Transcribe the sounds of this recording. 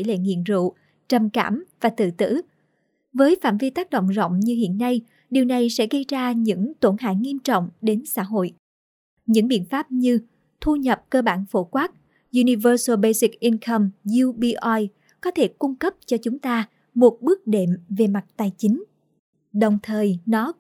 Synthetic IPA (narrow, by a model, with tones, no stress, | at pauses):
jlḛ˧˨ŋḭ˧˨ənzṵ˧˨ | t͡ɕə˨˩mkaː˧˩mvaː˨˩t̪ɨ̰˧˨t̪ɨ̰˧˥ | vəː˨˦jfa̰ː˧˨mvi˧t̪aː˦˥k̚ɗo̰˧˨wŋ͡mzə̰˧˨wŋ͡mɲɨ˧hḭ˧˨ənːa˧j | ɗi˨˩əwna˨˩jsɛ̰˧˥ɣə˧jzaː˧ɲɨ̰˧˥ŋt̪o˧˩nha̰ː˧˨jŋi˧əmt͡ɕɔ̰˧˨wŋ͡mɗe˨˦nsa̰ː˧˥ɦo̰˧˨j | ɲɨ̰˧˥ŋɓḭ˧˨ənfaː˦˥p̚ɲɨ˧ | t̪ʰu˧ɲə˨˩p̚kəː˧ɓaː˧˩nfo˧˩kwaː˦˥k̚ | ʔu˧ni˧vəː˧sə˧ɓə˧jsi˨˩k̚ʔi˧nkʰə˧mzu˧ɓi˧ʔa˧j | kɔ˨˦t̪ʰe˧˩kʊ˧ŋ͡mkə˦˥p̚t͡ɕɔ˧t͡ɕʊ˨˦ŋ͡mt̪aː˧ | mo˨˩t̚ɓɨ˦˥ək̚ɗe˧˩mve˨˩ma˨˩t̚t̪aː˧˩jt͡ɕï˨˦ŋ̟ | ɗə˨˩wŋ͡mt̪ʰəː˨˩jnɔ˨˦